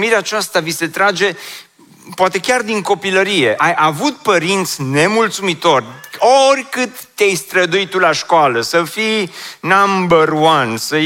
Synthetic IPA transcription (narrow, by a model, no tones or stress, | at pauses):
miɾeat͡ʃast̪avise̞t̪ɾad͡ʒe̞ | poat̪e̞kʲard̪iŋko̞piləɾije̞ʔajʔavut̪̚pəɾint̪sʲne̞mult̪sumit̪o̞rʲorʲkɨt̪ːejst̪ɾəd̪uitt̪ulaʃkoaləsəfinambərwansə